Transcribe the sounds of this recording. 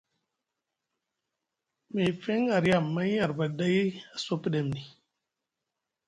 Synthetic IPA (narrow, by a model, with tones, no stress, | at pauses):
me˨fe˦ŋa˨ɾa˦˨mːa˦a˨ɾba˨da˦ja˨so˦pɗe˨mni˨